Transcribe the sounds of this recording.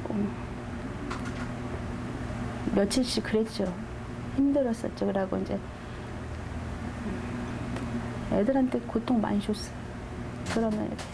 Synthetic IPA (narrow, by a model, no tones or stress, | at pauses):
o | mjʌt͡ɕʰiɭɕ͈ikɯɾet̚t͡ɕ͈o | çimdɯɾʌs͈ʌ̰t̚t͡ɕ͈okɾaɡoind͡ʑe̞ | edɯɾɦantʰe̞kotʰoŋma̰nɕʰos͈ʌ̥ | kɯɾʌmjʌ̰n̰